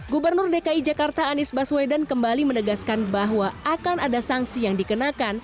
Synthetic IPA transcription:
ɡubərnʊrdekaid͡ʒakart̪aːnisbaswedankəmbalimənəɡaskanbaɦwaakanadasaŋsijaŋdikənakan

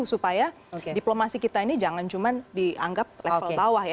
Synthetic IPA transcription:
usupaja | diplomasikit̪ainid͡ʒaŋant͡ʃumandia̰ŋɡap̚lefəlbawahja

